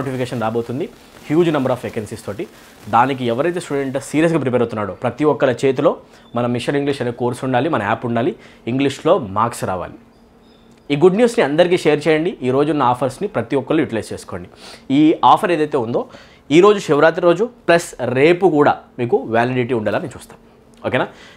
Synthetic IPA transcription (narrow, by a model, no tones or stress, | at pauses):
oːʈipʰikeːʂɐnɾaːbo̞ːt̪und̪i | hjuːd͡ʒnɐmbɐɾaːfʋekensist̪o̞ːʈi | d̪aːnik̬iɛʋɐɾɐjt̪̬esʈuɖeɳʈsiːɾijɐs̬ɡaːpɾip̬eɾɐwt̪unːaːɽoːpɾɐt̪iʋɔkːɐɭɐt͡ʃeːt̪̬ulo̞ː | mɐnɐmiʂɐniŋɡliʂɐneːkoːɾsuɳɖaːlimɐnɐmaːpuɳɖaːliːŋɡliʂlo̞ːmaːɾksɾa̰ːʋa̰ːli | iːɡuɖnjuːsniɐnd̪ɐɾik̬iːʃejɐɾt͡ʃɛːjɐɳɖiʔiːɾo̞ːd͡ʒunːɐaːpʰɐɾsnipɾɐt̪iʋɔkːɐlujuʈilɐjst͡ʃeːsu̥ko̞ːɳɖiiːaːpʰɐɾeːd̪ɐjt̪eːund̪o̞ː | iːɾo̞ːd͡ʒuʃɛʋɾaːt̪̬iɾo̞ːd͡ʒuplɐsɾe̞ːpukuːɽaːmiːkuʋaːliɖiʈ̬iːuɳɖɐlaːnit͡ʃuːst̪ḁːm | oːkeːnaː